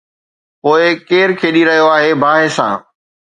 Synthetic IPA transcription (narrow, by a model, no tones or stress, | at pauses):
poːɪkeːɾkʰeːɗiɾɐɦijoaːɦebʱaːɦesã̰ː